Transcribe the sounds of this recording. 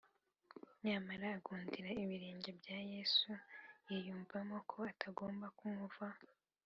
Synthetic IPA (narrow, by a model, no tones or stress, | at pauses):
ɲɲamaɾaːɡuːndiɾaiβiɾeːɲɟebjaje̞sujijuːɱvamokʰo̞atʰaɡo̞ːmbakumuva